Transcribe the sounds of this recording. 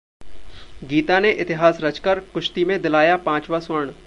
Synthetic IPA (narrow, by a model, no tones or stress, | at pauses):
ɡiːt̪aneʔɪt̪ɪɦaːsɾɐt͡ʃkɐɾkʊʃt̪imẽd̪ɪlaːjapãːt͡ʃʋasʋəɾɳ̃